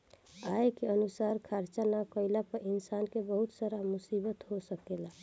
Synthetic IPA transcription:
aekeənusaɾkʰaɾt͡ʃanakəɪlapəɾinsankebəɦut̪saɾamusibət̪ɦosəkela

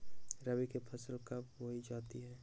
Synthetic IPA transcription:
ɾəbikepʰɐsəlkapwoɦid͡ʒaːt̪iɦɛː

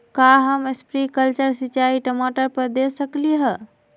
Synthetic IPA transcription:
kaɦəməspɾikəlt͡ʃəɾsit͡ʃaiʈəmoʈəɾpəɾd̪esəkliɦə

